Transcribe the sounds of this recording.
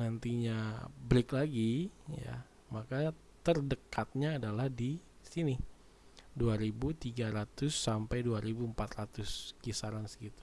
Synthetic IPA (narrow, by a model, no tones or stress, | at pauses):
nant̪iɲabɾɪklaɡija̰ | maka | t̪ərdəkat̪̚ɲaːdalahdisini | duaɾibut̪iɡaɾat̪ʊsːampajduaɾibuəmpat̪rat̪ʊskisaɾansɡit̪u̥